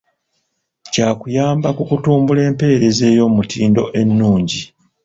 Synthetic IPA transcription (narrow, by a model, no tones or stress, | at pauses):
caːkujaːmbakukutuːmbule̞ːmpe̞ːɾe̞ze̞ːjo̞ːmutiːndo̞ʔe̞nːuːɲɟi